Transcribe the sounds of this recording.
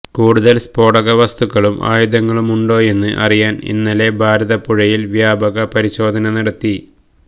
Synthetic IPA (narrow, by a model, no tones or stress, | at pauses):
kuːɽuðɐlspo̞ːɽɐɣɐʋɐst̪uɣːɐɭumʔa̰ːjud̪ɐŋːɐɭumuɳɖo̞ːe̞nːɨ̰ʔɐ̰rijaːnḭnːɐle̞bʱaːɾɐðɐpuɻɐjilʋjaːbɐɣɐpɐɾiɕo̞ːd̪ʱɐnɐniɐɽɐt̪ːi